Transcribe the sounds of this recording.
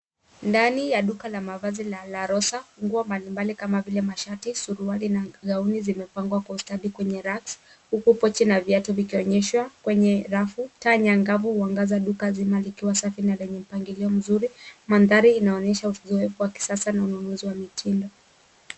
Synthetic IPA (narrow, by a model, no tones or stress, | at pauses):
ndanijaɗukalamavazilalaɾɔsaŋɡuɔmbalimbalikamavilɛmaʃatisuɾualinaɣaunizimɛpaŋɡwakwaustaɗikwɛɲɛɾaks | hukupɔt͡ʃɛnaviatɔvikiɔɲɛʃwakwɛɲɛɾafutaɲaŋɡavuhuaŋɡazaɗukazimalikiwasafinalɛɲɛm̩paŋɡiliɔm̩zuɾimanðaɾiːnaɔɲɛʃauzɔɛfuwaki̥sasanaunɔnuziwamitʰindɔ